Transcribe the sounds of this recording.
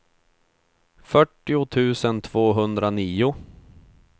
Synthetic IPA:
fœʈːɪʊt̪ʰʉ̟ːsənt̪ʰv̥oːɦɵnd̪ɾaniːʊ

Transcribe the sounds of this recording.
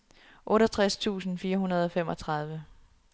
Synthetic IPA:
ʔɔ̽ːɾʌt͡sʰʁast͡sʰṵːsn̩fiːɐɦunɐð̞ˠɒ̽fem̰ɒ̽t͡sʰʁɑ̈ð̞ˠʋə

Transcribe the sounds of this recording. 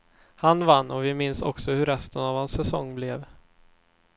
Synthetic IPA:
hanvanːɔvɪmɪnsɔ̰ksɔhɵɾɛst̪ənavhansːɛsɔŋːblɛv

